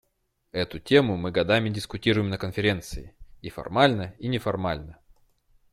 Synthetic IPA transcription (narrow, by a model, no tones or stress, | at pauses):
ɛt̪ʊtʲe̞mʊmɨɡɐd̪amʲɪdʲɪskʊtʲiɾʊjɪmnəkənfʲɪɾʲe̞nt̪sɨɪifɐ̰rmalʲnəinʲɪfɐrmalʲnə